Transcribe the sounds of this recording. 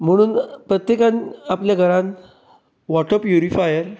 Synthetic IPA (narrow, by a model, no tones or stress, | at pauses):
m̤əɽ̃uːnpɾət̪jekãnapljaɡʱəɾãn | ʋɔʈəpjuɾifajəɾ